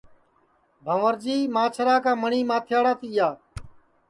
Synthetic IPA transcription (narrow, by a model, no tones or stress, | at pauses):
bʱəʋəɾd͡ʒiːmaːt͡ʃʰəɾaːkaːməɳiːmãːt̪ʰjaːɽaːt̪ɪːjaː